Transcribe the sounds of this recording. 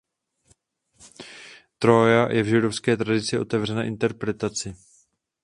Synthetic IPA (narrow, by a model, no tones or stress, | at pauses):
t̪ɾojajʔɛvʒɪdofskɛːt̪ɾadɪt͡sɪo̞t̪ɛvr̝ɛnɛːʔɪnt̪ɛɾpɾɛt̪at͡sɪ